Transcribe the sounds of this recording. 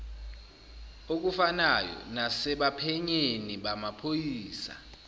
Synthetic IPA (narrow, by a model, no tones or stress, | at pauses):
ok̬ufanajɔ̰nasɛɓapʰɛɲeniɓamapʰojiiːsa̰